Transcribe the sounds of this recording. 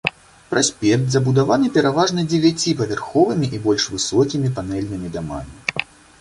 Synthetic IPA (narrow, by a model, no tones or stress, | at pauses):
pɾasʲpʲɛk̚t̪zɐbud̪avanɨpʲɛɾavaʐnɐd͡zʲevʲat͡sʲipɐvʲɛrxɔvɨmʲiʔibɔlʲʂvɨsɔkʲimʲipanɛlʲnɨmʲid̪ama̰mʲi